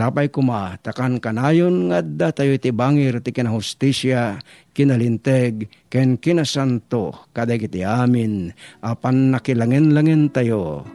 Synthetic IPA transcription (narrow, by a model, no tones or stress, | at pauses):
saːpajkʊmat̪akankanaːjonŋaʔad̪ːat̪ajoɪt̪ɪbaːŋɪɾt̪ɪkɪnahʊst̪isja | kɪnalɪnt̪ɛɡ | kɛnkɪnasant̪okad̪ajkɪt̪ɪʔaːmɪnʔapanːakɪlaŋɛnlaŋɛnt̪ajo